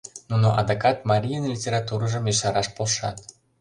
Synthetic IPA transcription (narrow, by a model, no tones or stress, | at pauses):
nuno̰ʔɑd̪okɑt̪mɑɾʲijənlʲitʲeɾɑt̪uɾəʒə̆meʃɑɾɑʃpolʃɑ̰t̪